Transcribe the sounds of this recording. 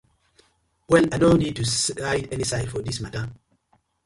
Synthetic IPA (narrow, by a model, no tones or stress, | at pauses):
wɛlajdõʊnid̚tusaɪdɛnisaɪdfɔdismatə